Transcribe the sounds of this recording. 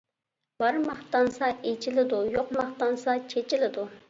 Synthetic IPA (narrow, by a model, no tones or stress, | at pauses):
b̥ɑɾmɑχt̪ɑnsɑet͡ʃʰilɪd̪ujoqmɑχt̪ɑnsɑt͡ʃʰet͡ʃɪlɪd̪u